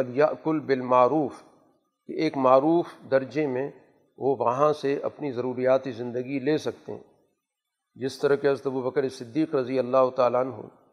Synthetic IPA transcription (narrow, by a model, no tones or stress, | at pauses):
ɐljɐʔkʊlbɪlmaːɾuːf | keʔeːkmaːɾuːfd̪ɐɾd͡ʒemẽ | ʋoʋɐɦãseɐ̰pnizɐɾuːɾijaːt̪izɪ̃nd̪əɡileːsɐk̚t̪ḛɦɛ̰̃ | d͡ʒɪst̪ɐɾɐkeɐzət̪ɐbubɐkəɾesɪd̪ːiːqɾɐzijɐlːaːɦʊt̪aːlaɐnɦo̰ː